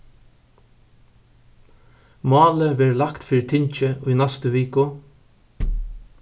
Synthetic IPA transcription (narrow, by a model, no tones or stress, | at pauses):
mɑːləʋɛɹlakt̪fiːɾɪt̪ʰɪɲt͡ʃəʊjnɛst̪əʋiːkʊ